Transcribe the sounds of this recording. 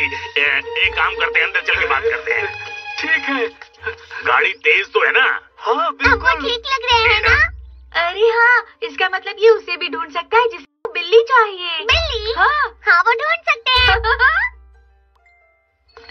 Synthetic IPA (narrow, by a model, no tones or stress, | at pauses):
eɐẽkaːmkɐɾt̪eɦɛ̃ɐ̃nd̪əɾt͡ʃɐlkibaːt̪̚kɐɾt̪eɦɛ̰̃ːʈʰiːkɦɛː | ɡa̰ːɽit̪eːzt̪oɦɛːna̰ | hãbɪɐkokliːklɐɡɾɐeɛ̃aːɐɾeɦãːɪskamɐt̪ləbjeʊsebʱiɖʱoːɳsɐk̚t̪aɦɛd͡ʒɪset̪obɪlːit͡ʃaːɦieːbɪlːiɦãːhãʋoɖʱoːɳɖsɐk̚t̪eɦɛ